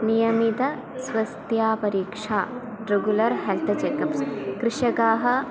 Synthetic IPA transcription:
nijɐmit̪ɐ | sʋɐst̪jaːpɐɾiːkʂaː | ɾeɡjulɐɾɦelt̪ʰɐt͡ʃekɐpskɾɪʂɐkaːɦɐ̆

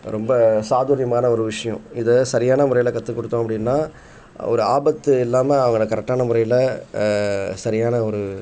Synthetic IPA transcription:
ɾɔmbɐsaːðuːɾɪjɐmaːnɐɔɾɯʋɪʂɐjɐ̃ɪðɯsɐɾɪjaːnɐmʊɾɐjɪlɐkɐt̪ːɯkːɔɽɯt̪ːõːɐpːɐɽɪnːaː | ɔ̰ɾɯa̰ːbɐt̪ːɯɪlːaːmɐɐʋɐŋɡɐɭɐkːɐɾɛk̚ʈaːnɐmʊɾɐjɪlɐ | sɐɾɪjaːnɐɔɾɯ

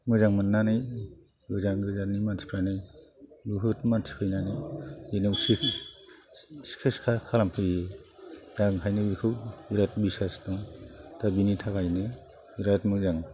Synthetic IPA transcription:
mɯzaŋmɯnːanɯj | ɡɯzaŋɡɯzanimantʰi̥pʰɾanɯjbuɦɯtmantʰi̥pʰɯjnanɯenɯwsi | si̥kʰɯskʰakʰalampʰɯjezaŋkʰajnɯbikʰɯwiɾat̚bisastɔŋtabinitʰakajnɯ | iɾatmɯzaŋ

